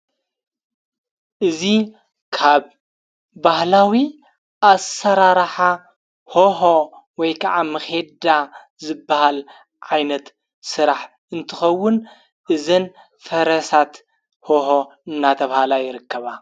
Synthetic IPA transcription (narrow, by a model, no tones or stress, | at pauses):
ʔɨzi | kʰaβ | bahlawi | ʔasɐɾaɾħa | hoɦowɔjkʰaʕamɐxe̞d̪a | zɨbːahal | ʕajnɐt̪ | sɨɾaħ | ɨnt̪ʰɨxɐwːʊn | ʔɨzɐn | fɐɾɐsat̪ | hoɦoɨnːat̪ʰɐβhalajɪɾɨkːɐβa